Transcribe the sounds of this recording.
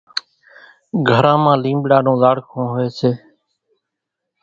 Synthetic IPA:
ɡʱəɾãːmãːlĩːmbɽaːnõːzaːɽkʰõːɦʊeːseː

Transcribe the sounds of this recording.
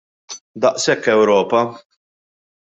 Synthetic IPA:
d̪ɐʔsɛkːɛwɾɔːpɐ

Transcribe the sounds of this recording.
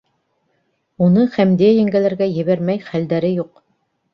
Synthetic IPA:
unɤχæmd̪ijæjæŋɡælæɾɡæjɘ̆βæɾmæjχæld̪æɾɘjuq

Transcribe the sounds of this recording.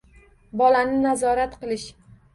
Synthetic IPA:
bɒlanɪnazɒɾat̪qɨlˠɪʃ

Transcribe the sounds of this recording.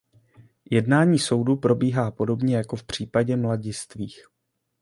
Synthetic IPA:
jɛdnaːɲiːso̞wdupɾo̞biːɦaːpo̞do̞bɲɛjako̞fpr̝̥iːpaɟɛmlaɟɪst̪viːx

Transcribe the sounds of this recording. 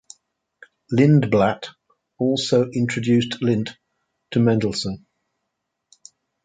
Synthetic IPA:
lɪ̃nblat | ɔˑlˠsəʊʔɪ̃nt͡ʃɹ̥əd͡ʒʉˑstʰlɪ̃n | tʰəmæ̃ndl̩ˠsə̃n

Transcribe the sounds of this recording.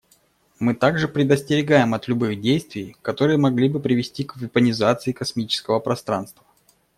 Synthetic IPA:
mɨt̪aɡʐɨpɾʲɪd̪əsʲtʲɪɾʲɪɡajɪmɐt̪lʲʊbɨɣdʲejst̪vʲɪjkɐt̪o̞ɾɨjəmɐɡlʲibɨpɾʲɪvʲɪsʲtʲikvʲɪpənʲɪzat̪sɨɪkɐsmʲit͡ɕɪ̥skəvəpɾɐst̪ɾa̰nst̪və

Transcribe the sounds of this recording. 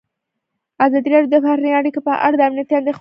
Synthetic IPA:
azɑd̪iɾɑɖjod̪əfahniaɽikopəʔa̰ɽad̪əamnijat̪iand̪ex

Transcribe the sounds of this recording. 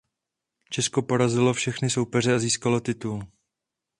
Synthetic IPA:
t͡ʃɛsko̞po̞ɾazɪlo̞fʃɛxnɪso̞wpɛr̝ɛaziːskalo̞t̪ɪt̪ul

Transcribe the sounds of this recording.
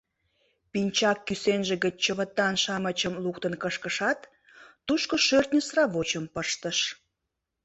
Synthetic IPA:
pinʲt͡ɕɑkːysenʒĕɣət͡ɕt͡ɕəβət̪ːɑnʃɑmət͡ɕəmlukt̪ənkəʃkəʃɑt̪ː | uʃkoʃørt̪nʲəsrɑβot͡ɕəmpəʃt̪əʃ

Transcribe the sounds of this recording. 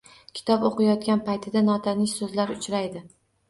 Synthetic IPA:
kʲʰɪ̥t̪ʰɒpoqɨjɒt̪̚kʲanpajt̪ʰɪd̪anɒt̪ʰanɪʃsɵzlaɾʊt͡ʃʰɾajd̪ɪ

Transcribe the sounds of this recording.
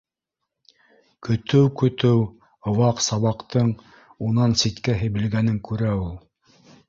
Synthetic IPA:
kɵ̆t̪ɵwkɵ̆t̪ɘw | ŏwɑqsɑβɑqt̪ɤɴ | unɑnsit̪kæɦɘ̆bɘ̆lɡænɘŋkʉɾæulˠ

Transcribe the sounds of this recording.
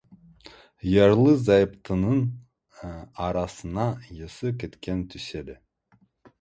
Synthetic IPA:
jɑɾlˠɯzɑjpt̪ʰɯnɯn | ɑɾɑsɯnɑjɯsɯkʲet̪kʲʰent̪ʰysed̪ɪ

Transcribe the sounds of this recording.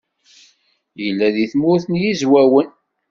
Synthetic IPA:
jəlːæðiθmʊɾθənjizwæwən

